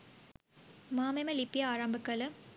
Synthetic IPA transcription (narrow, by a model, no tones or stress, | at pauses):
maːmemɐlipːjɐaːɾambɯkːɐlɯ